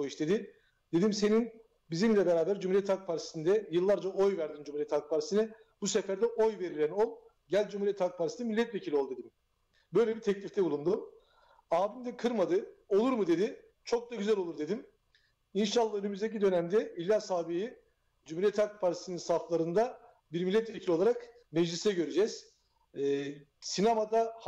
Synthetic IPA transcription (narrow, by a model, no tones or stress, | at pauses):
ojiʃd̪e̞d̪i | d̪̥e̞d̪imse̞nin | bizimlʲɛbe̞ɾaːbæɾd͡ʒumuɾiɛt̪ʰak̚pʰaɾt̪ʰi̥sind̪ɛjɯlˠːaɾd͡ʒaʔo̞jvæɾd̪ind͡ʒumuɾijɛt̪ʰak̚pʰaɾt̪isinɛ | busefæɾd̪ɛʔo̞jve̞ɾilʲæno̞lˠ | ɟælʲd͡ʒumuɾijɛt̪hak̚pʰaɾt̪isnɛmilʲːɛt̪ve̞cʰilʲo̞lˠd̪ued̪im | bø̞jlʲɛbit̪ʰɛclʲift̪ʰɛbulˠund̪um | aːbimd̪ɛkʰɯɾmad̪ɯo̞lˠuɾmɯd̪e̞d̪i | t͡ʃʰo̞k̚d̪aɟyzælʲo̞lˠuɾd̪e̞d̪im | inʃalˠːahønømyzd̪ec̬id̪ø̞næmd̪ɛilʲːasaːbiji | d͡ʒumuɾijɛt̪hakpʰaɾt̪ʰisininsaflˠaɾɯnd̪a | biɾmilʲːɛt̪vecʰilʲo̞lˠaɾak | mɛd͡ʒlʲisɛɟø̞ɾyd͡ʒɛz̥ | sinamad̪ah